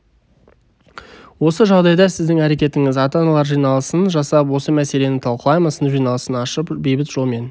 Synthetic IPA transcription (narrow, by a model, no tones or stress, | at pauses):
wo̞səʒɑʁd̪ɑjd̪ɑsɪzd̪ɪŋæɾe̞kʲe̞t̪ɪŋɪzɑt̪ɑnɑlˠɑɾʒijnɑlˠəsənʒɑsɑp̬wo̞səmæse̞le̞nɪt̪ʰɑlˠqəlˠɑjməsənʒijnɑlˠəsənɑʃəpbe̞jbɪt̪ʒ̥o̞lˠme̞n